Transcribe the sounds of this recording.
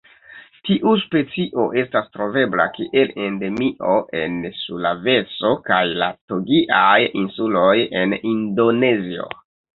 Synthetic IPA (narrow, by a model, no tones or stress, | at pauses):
tiʔuspe̞t͡siʔo̞ʔe̞stastɾo̞ve̞bla̰kiʔele̞nde̞miʔo̞ʔe̞nsulave̞so̞kajlatoɡiʔajinsulo̞je̞nindo̞ne̞zio̞̰